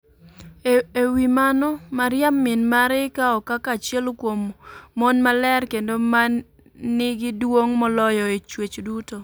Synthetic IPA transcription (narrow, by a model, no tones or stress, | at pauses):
ewimanɔmaɾjamːɪnmaɾɪkaɔkakat͡ʃjɛlokwomːonmalɛrkendoma | nɪɡɪdwoŋmɔlɔjɔet͡ʃwet͡ʃduto